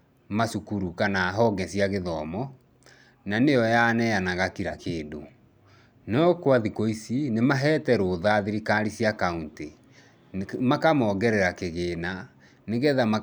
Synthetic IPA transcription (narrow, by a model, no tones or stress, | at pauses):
masukuɾukanaɦɔɡɛsiaɣeðɔmɔ | nanejɔjanɛjanaɣakiɾakʰeːdo | nɔɔkwaðikoisinemaɦɛːtɛɾoːðaðiɾikaɾisiakaunte | makamɔɡɛɾɛɾakeɣeːna | neɣɛðama